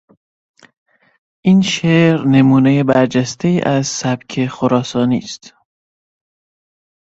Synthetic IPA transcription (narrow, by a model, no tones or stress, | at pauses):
ʔiːnʃeːɾne̞muːne̞jebæɾd͡ʒæst̪e̞iːʔæzsæb̥cʰe̞xoɾɒːsɒːnḭːst̪